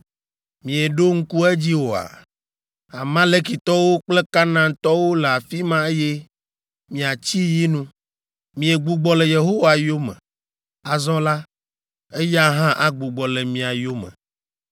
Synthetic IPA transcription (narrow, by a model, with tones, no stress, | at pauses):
mĩ˨e˨ɖo˦ŋ̩˦ku˦ɛ˦d͡ʑi˦wo˨a̰˨ | a˨mã˦le˦ki˨t̪ɔ˦wo˦k͡ple˦ka˦nã˦t̪ɔ˦wo˦le˨a˨fi˦mã˦e˦je˦ | mĩ˨a˨t͡ɕi˦ji˦nũ˦ | mĩ˨e˨ɡ͡bu˦ɡ͡bɔ˦le˨je˨ɦo˦wa˨jo˦mɛ̰̃˨ | a˨zɔ̃˦la˦ | e˦ja˦ɦã˦ʔa˦ɡ͡bu˨ɡ͡bɔ˨le˨mĩ˨a˨jo˦mɛ̰̃˨